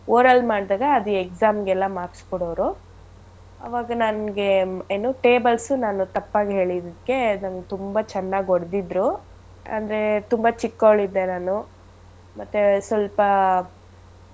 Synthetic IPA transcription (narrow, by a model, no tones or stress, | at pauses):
oːɾɐlmaːɽd̪aːɡɐːd̪uekzaːmɡɛlːɐmaːɾskɔɽoʋɾu | ɐ̰ʋaːɡɐnɐnɡeeːnoːʈe̞ːbɐlsunaːnut̪ɐpːaːɡɦe̞ːɭid̪kːe̞nɐnɡet̪umbɐt͡ʃɛnːaːɡoɽd̪id̪ɾu | ɐ̰nd̪ɐɾe̞t̪umbɐt͡ʃikːoɭid̪ːenaːnu | mɐt̪ːusʋɐlpɐ